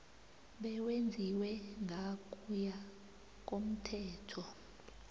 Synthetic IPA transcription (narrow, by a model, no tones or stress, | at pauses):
ɓɛwend͡zʱiwɛŋʱakʼuja | k̬ʼom̩tʰɛːtʰɔ